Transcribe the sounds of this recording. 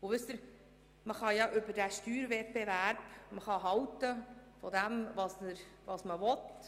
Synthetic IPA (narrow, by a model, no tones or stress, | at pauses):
ʊʋʏst̪əɾ | məχɑjɑʔʏbədæʃtyːɾvɛt̚b̥evæɾb̥məχɑɦɑwtəfɔd̪æmvɑsnəɾʋɑsməʋɔt